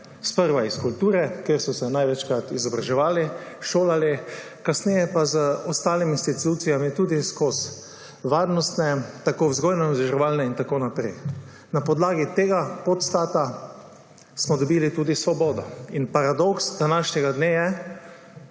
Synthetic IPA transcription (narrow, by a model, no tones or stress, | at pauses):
spəɾʋaiskult̪uːɾɛkjeɾsɔsɛnajʋɛt͡ʃkɾat̪izɔbɾaʒɛʋaːliʃoːlali | kasnɛjɛpazəɔst̪aːliminst̪it̪uːt̪sijamit̪uːd̪iskos | ʋaːɾnɔst̪nɛt̪akozɡɔjnɔnɔzɛʒɛʋaːlnɛint̪akoːnapɾɛj | napɔd̪laːɡit̪eːɡapɔt̪st̪aːt̪a | smɔd̪ɔbiːlit̪uːd̪isʋɔbɔːd̪ɔ̰inpaɾad̪ɔksd̪anaʃnɛɡad̪nejɛ